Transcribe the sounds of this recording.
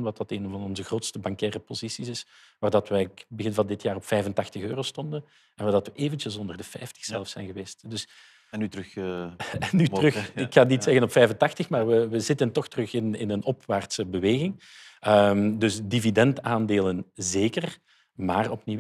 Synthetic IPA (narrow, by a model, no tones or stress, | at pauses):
nʋɑt̚ɑteːnvɑnɔnzəɣroːtstəbɑŋkɛːrəpozisisɪs | ʋaːrdɑtʋɛbəɣɪnvɑlndɪtjaːrɔpfɛjvəntɑxtəxøːroːstɔndən | ɛnʋaːrdɑtʋəʔeːvəntjəlˠzɔndərdəfɛjftə̥xsɛlˠəfsɛjnɣəʋeːstdɵs | nytɾx | nːytrɵxɪkxaːnitsɛɣənɔpfɛjvəntɑxtəxmaːrʋəʋəzɪtəntɔxtərɵxɪnɪ̰nənɔpʋaːrtsəbəʋeːɣɪŋəmdɵsdividɛntaːndeːlənzeːkər | maːrɔpni